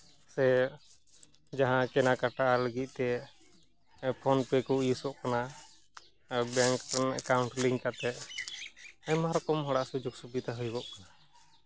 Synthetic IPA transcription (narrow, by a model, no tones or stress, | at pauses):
sɛ | d͡ʒaɦãkɛnakaʈaʔaləɡit̪̚ˀt̪ɛ | pʰɔnpɛkɔʔjisɔʔkana | baŋkkawuɳʈliŋkat̪ɛʔ | ajmaɾkɔmɦɔɽaʔsud͡ʒuɡsubid̪aɦujbɔʔkana